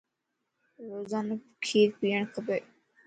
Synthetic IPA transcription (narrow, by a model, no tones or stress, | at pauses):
ɾoːzankʰiːɾpijəɳ̃kʰəbe